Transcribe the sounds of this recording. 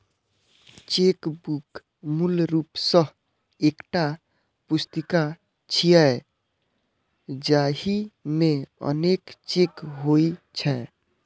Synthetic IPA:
t͡ʃekbuk | mulɾupsəɦ | ekʈa | pust̪ika | t͡ʃʰija | d͡ʒaɦimeə̰nekt͡ʃekɦoit͡ʃʰɛ

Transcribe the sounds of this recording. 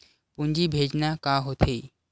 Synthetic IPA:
pund͡ʑiːbʱed͡ʑnjakaɦot̪ʰe

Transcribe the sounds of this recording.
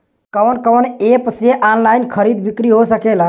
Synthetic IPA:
kəʋnkənepseʔanlainkʰəɾid̪bikɾiɦosəkela

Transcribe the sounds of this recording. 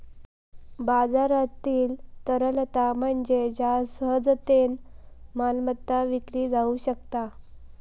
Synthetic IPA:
bad͡zaɾat̪iːlt̪əɾəlt̪am̤əɳd͡ʑed͡ʑasəɦəd͡zt̪enmalmət̪ːaʋikɽiːd͡zauɕək̚t̪a

